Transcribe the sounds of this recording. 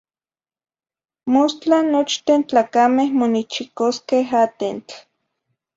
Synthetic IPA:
most͡ɬanot͡ʃt̪ent͡ɬaːkamehmonit͡ʃikoskeɦaːt̪ent͡ɬ

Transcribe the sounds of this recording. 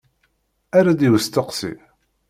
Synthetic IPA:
aɾad̪iwəst̪əqsḭ

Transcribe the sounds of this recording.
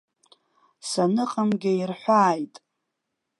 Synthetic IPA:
sanɨqʼamɡʲɪirħʷaːjtʼ

